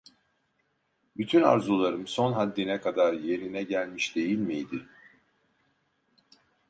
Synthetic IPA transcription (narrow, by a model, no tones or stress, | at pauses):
byt̪ʰyna̰ɾzulˠaɾɯmso̞nɦad̪ːinɛkʰad̪aɾje̞ɾinɛɟælʲmiʃd̪̥e̞jilʲmijd̪ɪ